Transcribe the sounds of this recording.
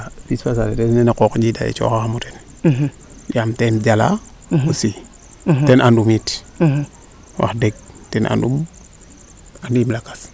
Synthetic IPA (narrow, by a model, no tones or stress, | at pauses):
afispas̬adetennenekokd͡ʒida̰jḛt͡ʃo̰kaxamuten | jamtend͡ʒala̰ | usi | tenʔandumit | wʔa̰xdeɡ̚tenʔa̰ndṵm | andimlakḁs